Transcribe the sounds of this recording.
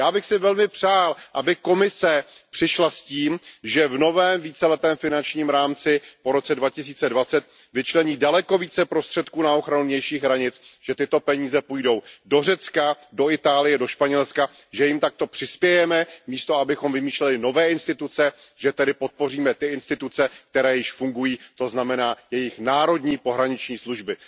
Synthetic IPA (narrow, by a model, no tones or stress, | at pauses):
jaːbɪxsɪvɛlmɪpr̝̥aːlʔabɪko̞mɪsɛpr̝̥ɪʃlasciːmʒɛvno̞vɛːmviːt͡sɛlɛt̪ɛːmfɪnant͡ʃɲiːmɾaːmt͡sɪpo̞ɾo̞t͡sɛdvacɪs̬iːt͡sɛdvat͡sɛt̪̚ | vɪt͡ʃlɛɲiːdalɛko̞viːt͡sɛpɾo̞st̪r̥ɛt̪kuːnao̞xɾanuɲɛjʃiːxɦɾaɲɪt͡sʒ̥ɛt̪ɪt̪o̞pɛɲiːzɛpuːjdo̞wdor̝ɛt͡skado̞ɪt̪aːlɪjɛdo̞ʃpaɲɛlska | ʒɛjɪmt̪ak̚t̪o̞pr̝̥ɪspjɛjɛmɛmiːst̪oabɪxo̞mvɪmiːʃlɛlɪno̞vɛːɪnst̪ɪt̪ut͡sɛ | ʒɛt̪ɛdɪpot̪̚po̞riːmɛt̪ɪɪnst̪ɪt̪ut͡sɛk̚t̪ɛɾɛːjɪʃfuŋɡujiːt̪o̞znamɛnaːjɛjɪxnaːɾo̞dɲiːpo̞ɦɾaɲɪt͡ʃɲiːsluʒbɪ